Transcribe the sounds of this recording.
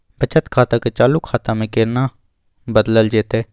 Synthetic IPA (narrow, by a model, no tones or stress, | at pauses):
bʱət͡ʃət̪kʰaːt̪aket͡ʃaːlukʰːaːt̪amẽkeːɾnaː | bəd̪ləld͡ʒeːt̪eː